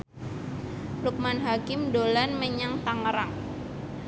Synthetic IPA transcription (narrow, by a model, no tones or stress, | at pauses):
luk̚manɦakɪmdolanməɲaŋt̪aŋəɾaŋ